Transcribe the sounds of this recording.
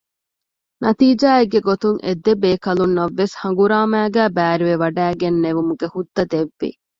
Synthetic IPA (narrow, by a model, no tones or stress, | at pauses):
nɐt̪iːd͡ʒaːeɡːeɡot̪uŋʔḛd̪ebeːkɐlunːɐʋːeshɐŋ̆ɡuɾaːmæːɡæːbæːɾiʋeʋɐɖæːɡenːeʋumuɡehud̪ːɐd̪eʋːḭ